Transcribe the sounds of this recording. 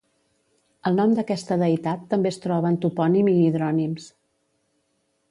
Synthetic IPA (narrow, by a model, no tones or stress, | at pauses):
əlˠnɔmd̪əkɛst̪əðəjt̪at̪ːəmbest̪ɾɔβəːnt̪upɔnimiːðɾɔnims